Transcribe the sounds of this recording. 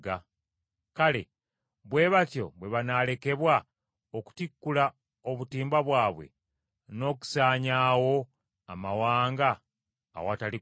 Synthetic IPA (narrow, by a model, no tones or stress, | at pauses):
ɡa | kale̞̰ | βwe̞ːβatjo̞̰βwe̞βanaːle̞ke̞βwa | oku̥tikːula | o̞βutiːmbaβwaːβwe̞̰ | no̞ːku̥saːɲaːwo̞ | amawaːŋɡa̰ː | watali